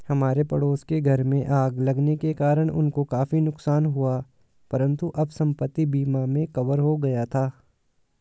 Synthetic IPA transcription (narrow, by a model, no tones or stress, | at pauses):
hɐmaːɾepɐɽoːskeɡʱɐɾmẽʔaːɡlɐɡnekekaːɾəɽ̃ʊ̰nkokaːfinʊksaːnɦua | pɐɾə̃nt̪uʔɐbsɐ̃mpət̪ːibiːmamẽkɐʋəɾɦoɡɐjat̪ʰaː